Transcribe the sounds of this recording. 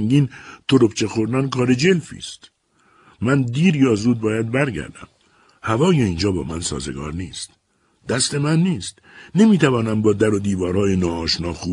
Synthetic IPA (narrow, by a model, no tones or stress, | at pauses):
ŋɡiːnt̪ʰoɾo̞pt͡ʃʰexoɾd̪ænkʰɒːɾe̞d͡ʒe̞lfḭːst̪ | mænd̪iːɾjɒːzuːd̪̚bɒːjæd̪̚bæɾɟæ̰ɾd̪æ̰m | hævɒːjeiːnd͡ʒɒːbɒ̰ːmænsɒ̰ːze̞̰ɡɒ̰ːɾniːst̪ | d̪̥æst̪e̞mænːiːst̪ | ne̞miːt̪ʰævɒːnæmbɒːd̪æɾod̪iːvɒːɾhɒːjenɒːɒːʃnɒːxuː